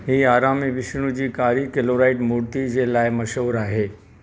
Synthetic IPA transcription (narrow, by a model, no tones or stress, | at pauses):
ɦiːaːɾaːmiʋɪʃɽ̃ud͡ʑiːkaːɾikeloːɾaːɪʈmuɾt̪id͡ʑelaːɪmɐʃoːɾaːɦeː